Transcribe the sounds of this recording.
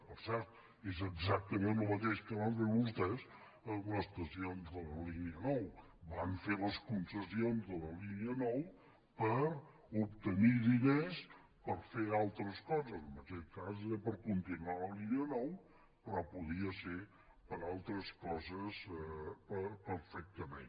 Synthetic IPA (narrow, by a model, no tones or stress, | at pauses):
pəɾsɛɾt̪ | ezəɡzak̚t̪əmẽnəlˠmət̪eʃkəβanfeβust̪ɛs | ələst̪əsionzðələliniənɔw | baɱfeləskunsəsionzðələliniənɔw | pəɾ | up̚t̪əniðines | pəɾfealˠt̪ɾəskɔzəzəməkɛt̪̚kazpəɾkunt̪inualəliniənɔw | pɾɔpuðiəse | pəɾalˠt̪ɾəskɔzəspəpəɾfɛk̚t̪əmḛ̃n